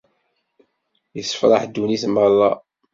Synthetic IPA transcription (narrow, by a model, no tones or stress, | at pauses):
jəsːə̥fɾˤɑħd̪ːuniθməlˤːɑ̰